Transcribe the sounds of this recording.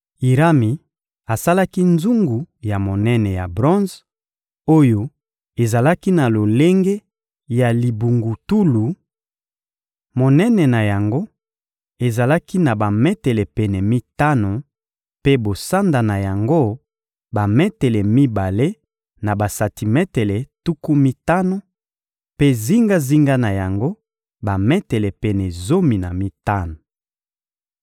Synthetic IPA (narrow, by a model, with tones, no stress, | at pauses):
i˨ʁa˦mi˨ | a˨sa˦la˦ki˦nzu˦ŋɡu˨ja˨mo˨nɛ˦nɛ˨ja̰˨bʁɔ̃˦nz | o˦jo˦ | e˨za˨la˦ki˦na˨lo˨le˦ŋɡe˦ | ja˨li˨bu˨ŋɡu˨tu˦lu˨ | mo˨nɛ˦nɛ˨na˨ja˨ŋɡo˦ | e˨za˨la˦ki˦na˨ba˨mɛ˦tɛ˨lɛ˨pɛ˨nɛ˨mi˦ta˦no˨ | pe˦bo˨sa˦nda˨na˨ja˨ŋɡo˦ | ba˨mɛ˦tɛ˨lɛ˨mi˦ba˨le˦ | na˨ba˨sa˨ti˨mɛ˦tɛ˨lɛ˨tu˦ku˦mi˦ta˦no˦ | pe˦zi˦ŋɡa˦zi˦ŋɡa˦na˨ja˨ŋɡo˦ | ba˨mɛ˦tɛ˨lɛ˨pɛ˨nɛ˨zo˦mi˨na̰˨mi˦ta˦no˨